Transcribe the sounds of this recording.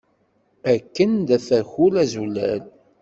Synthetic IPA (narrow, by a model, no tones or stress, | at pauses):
ækːənd̪æθæçʊlæzulːæ̰l